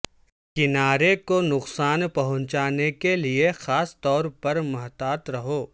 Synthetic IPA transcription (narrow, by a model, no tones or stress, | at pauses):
kɪnaːɾekonʊqsaːnpɐɦʊ̃ɲt͡ʃaːnekeliexaːst̪ɔːɾpɐɾmɐɦt̪aːt̪ɾɐɦoː